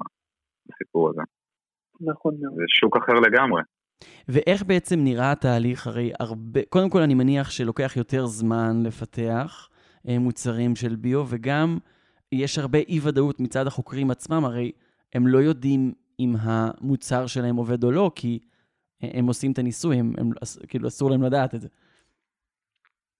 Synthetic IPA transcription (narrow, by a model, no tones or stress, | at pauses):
basipuʁazḛ | naχonzeʃukaχeʁle̞ɡamʁe | veʔe̞χbe̞et͡se̞mniʁat̪aːliχaʁe̞ja̰ʁbeko̞demko̞lanimaniaχʃe̞lo̞ke̞aχjo̞te̞ʁzmanle̞fatʰe̞aχ | mut͡saʁimʃe̞lbiove̞ɡam | jeʃhaʁbe̞ʔivadautmit͡sad̪haχo̞kʁimat͡smamaʁe̞j | e̞mlo̞jo̞dim | imɦamut͡saʁʃelahe̞mo̞ve̞d̪o̞lo̞kʰi | emo̞simet̪anisujhemḛma̰skiːluasuʁlaemladaːt̪edze̞